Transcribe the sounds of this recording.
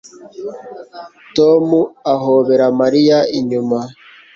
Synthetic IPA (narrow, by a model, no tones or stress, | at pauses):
tomuaɦoβe̞ɾamaɾijaiɲuma